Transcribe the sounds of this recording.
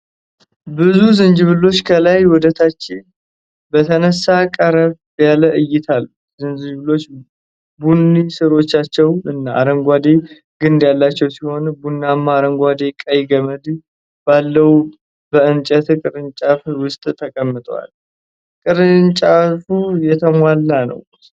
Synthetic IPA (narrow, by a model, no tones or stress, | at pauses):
bɨzuzɨnd͡ʒɨβɨlo̞t͡ʃːkʰəlajwɔd̪ət̪ʰat͡ʃːɪn | bət̪ʰənəsːakʼəɾəβ | jaləʔɨjːɪt̪ʰalːu | zɨnd͡ʒɨd͡ʒβɨlo̞t͡ʃː | bunːisɨɾo̞t͡ʃːat͡ʃːɛwɨnːaːɾəŋɡʷad̪e | ɡɨnd̪jalːat͡ʃːɛwsiho̞nbunːamːaɾəŋɡʷad̪e̞kʼəjɡəməd̪ | b̥alːəwu | bəɨnt͡ʃʼət̪kʼɨɾɨnt͡ʃʼafwʊst̪ʼt̪ʰəkʼəmːɨt̪ʼwa̰l | kʼɨɾɨnt͡ʃʼafujɛt̪ʰəmʷalːanə̰w